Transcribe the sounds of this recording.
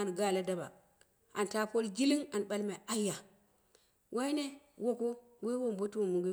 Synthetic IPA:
a˨n˨ɡa˦˨la˦da˦ba̰˨ | a˨n˨ta˦po˦lɡi˦li˦ŋa˨n˨ɓa˦lma˨a˦jːa˨ | wʔa˦i˦ne˦wo˦ko˦ | we˦wo˦mbo˦two˨mu˨ɡʷe˦

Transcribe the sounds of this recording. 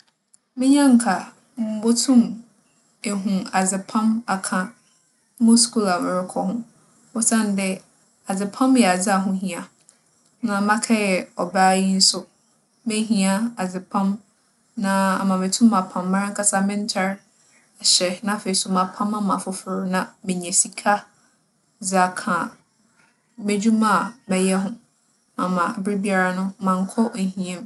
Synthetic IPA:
mɪ̃˦ɲã˦ŋ̩˨˦kʰa˨ | m˨m̩˦bo˦tʰũ˦m | e˨ɦũ˨a˨d͡zɪ˨pʰã˦ma˨kʰã˨˦ | mʊ̃˦skʰu˦la˨mɪ̃˨ɾɪ˨kʰɔ˦hʊ̃˦ | o˦sã˦˨n˨dɪ˦ | a˨d͡zɪ˨pʰã˦mjɛ˨a˨d͡zɪ˦a˨ɦʊ̃˦ɦĩ˨a˨ | nã˨mã˦kʰɛ˦jɛ˨ɔ˨ba˦ji˦n̩˦sʊ˦ | mẽ˦ɦĩ˦a˦a˨d͡zɪ˨pʰã˦m | nã˦a˨mã˨me˨tʰũ˦mã˨pʰã˨mːã˦ŋ̩˦kʰa˦sa˦mɪ̃˦n˦t͡ɕʰɛ˦ɾ | a˨ɕɛ˨nã˦fe˨i˨sʊ˨mã˨pʰã˦mã˦mã˨fʊ˦fʊ˨ɾʊ˦nã˦mɪ̃˨ɲɛ̃˨si˨kʰa˦ | d͡za˨kʰã˨ | mẽ˦d͡ʑᶣu˦mã˦˨mɛ̃˨jɛ˦ɦʊ̃˦ | mã˨mã˨bɾɪ˦bi˦a˦ɾa˨nʊ̃˦mã˨ŋ̩˨˦kʰɔ˦ʔe˨ɦĩ˦ɛ̃˦m

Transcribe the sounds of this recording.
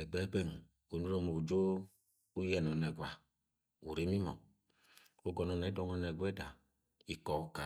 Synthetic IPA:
ɛ˨ɡ͡bɛ˨˦ɡ͡bɛ˦˨ŋ˨ | o˨nu˦ɾɔ˦˧mo˨d͡ʒo˦ | u˦jɛ˨nɔ˨nɛ˨ɡʷa˨ | u˨ɾe˨˦mi˦mɔ̰˨ | o˦ɡɔ˨nɔ˨nɛ˨˦dɔ˨˧˦ŋɔ˧˨nɛ˨ɡʷɛ˦da˨ | i˨kɔ˨˦ka˨

